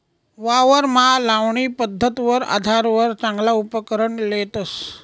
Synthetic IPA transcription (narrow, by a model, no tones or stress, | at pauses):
ʋaʋəɾmalaʋɳiːpəd̪ʱːət̪ʋəɾa̰d̪ʱaɾʋəɾt͡sãŋɡlaupəkəɾəɳlet̪əs